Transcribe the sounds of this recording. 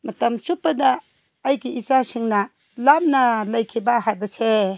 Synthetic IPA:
mɐtɐmsupːɐdɐː | jɡiit͡ʃasiŋnɐ | lam̚nɐlɐjkʰibɐhajbɐse

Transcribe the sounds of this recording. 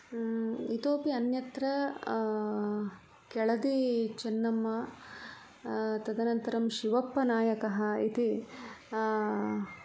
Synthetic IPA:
it̪oːpiɐnjɐt̪ɾɐ | kɛɭɐd̪it͡ʃɐnːɐmːɐ | t̪ɐd̪ɐnɐnt̪ɐɾɐmʃiʋɐpːɐnaːjɐkɐɦɐit̪i

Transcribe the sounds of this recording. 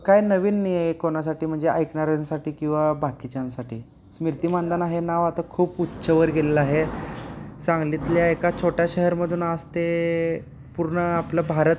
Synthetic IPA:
kajnəʋiːnːijekoɳas̬aʈiːm̤əɳd͡zeʔajknaɾansaʈiːkĩw̃ʋabʱakit͡ɕjãnsaʈiː | smiɾt̪iːmand̪anaɦenaʋat̪akʰuːput̪ːɕʰəʋəɾɡʱelelaɦe | sãŋɡlit̪ljaekat͡ɕʰoʈjaɕəɦəɾməd̪ʱuːnast̪e | puɾɳəapləbʱaɾət̪

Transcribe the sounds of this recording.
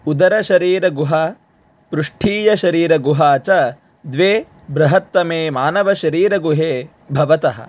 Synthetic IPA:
ud̪ɐɾɐʃɐɾiːɾɐɡuɦɐ | pɾuʂʈʰiːjɐʃɐɾiːɾɐɡuɦaːt͡ʃɐ | d̪ʋeː | bɾɐɦɐt̪ːɐmeːmaːnɐʋɐʃɐɾiːɾɐɡuɦeː | bʱɐʋɐt̪ɐɦɐ̰̆

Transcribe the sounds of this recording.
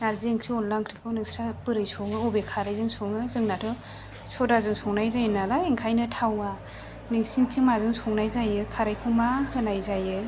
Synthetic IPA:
naɾzieŋkʰɾiɔnlaŋkʰɾikʰɯwnɯŋsɾapɯɾɯjsɔŋɯobekʰaɾajzɯŋsʰɔŋɯzɯŋnatʰɯ | sɔdazɯŋsʰɔŋnajzajnalaeŋkʰajnɯtʰawa | nɯŋsintʰiŋmazɯŋsʰɔŋnajzajɯkʰaɾajkʰɯmahɯnajzajɯ

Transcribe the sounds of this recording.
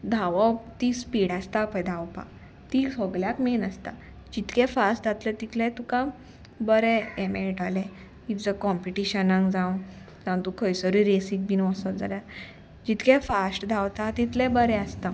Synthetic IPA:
d̪ʱaʋɔt̪ispiɽast̪apəjd̪ʱawpa̰ | t̪isɔɡljakmenəst̪a̰ | d͡ʑit̪kɛfasʈd͡zat̪lət̪it̪lɛ̃t̪ukã | bəɾɛemelʈalɛ̃ | it̪d͡zəkɔmpiʈiɕənãŋɡd͡zãw | d͡zãw̃t̪ukʰəjsəɾuɾesik̚binɔsəld͡zaljaɾ | d͡ʑit̪kɛ̃fasʈd̪ʱawt̪at̪it̪lɛ̃bəɾɛəst̪a

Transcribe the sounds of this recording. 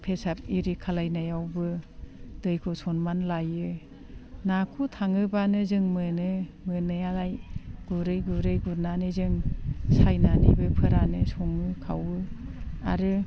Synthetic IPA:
pʰesap̚iɾikʰalajnajawbɯ | d̥ɯjkʰɔsɔnmanlajɯ | nakʰutʰaŋɯbanɯzɯŋmɯnɯmɯnɯjalajɡ̥uɾɯjɡuɾɯjɡuɾnanɯzɯŋsajnanḭbɯpʰɯɾanɯsɔŋɯkʰa̰wɯa̰ɾɯ

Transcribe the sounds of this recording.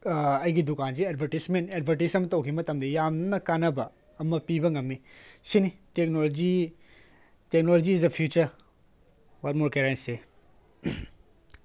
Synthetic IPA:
ɐjɡidukans̬iedbʱɐɾtismented̚bʱɐɾtisɐmɐtɐwkʰimɐtɐmdɐjamnɐkanɐbɐː | mɐpibɐŋɐmnisinitek̚nolod͡ʒi | tek̚nolod͡ʒiːs̬dɐpʰjut͡ʃɐɾ | wat̚moɾkeɾentse

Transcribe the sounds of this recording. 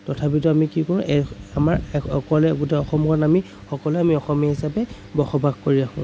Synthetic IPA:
tɔtʰap̬ituamikikɔɹʊ̃ʔɛamaɹɔkɔlɛɡutɛɔxɔmɡʰɔnami | xɔkɔlɛamiɔxɔmijahisapɛ | bɔxɔbʱaɡkoɹiakʰʊ̃

